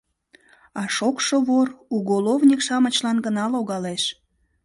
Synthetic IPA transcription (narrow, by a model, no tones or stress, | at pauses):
ɑʃokʃoβoruɣolovnʲikʃɑmət͡ɕlɑnɡənɑloɣɑleʃ